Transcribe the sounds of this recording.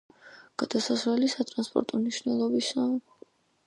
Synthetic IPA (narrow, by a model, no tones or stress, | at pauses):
ɡ̥ad̪̥asasɾɛlisat̪ʼɾanspʼɔ̰ɾt̪ʼɔmniʃvnɛlˠɔbisa